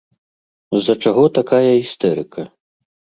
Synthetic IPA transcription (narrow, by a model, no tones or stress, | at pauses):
zɐt͡ʂaɣɔt̪akajɐɣist̪ɛɾɨkʰɐ